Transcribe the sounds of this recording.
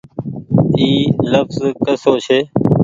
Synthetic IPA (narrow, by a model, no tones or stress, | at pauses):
iːləfzkəsoːt͡ʃʰeː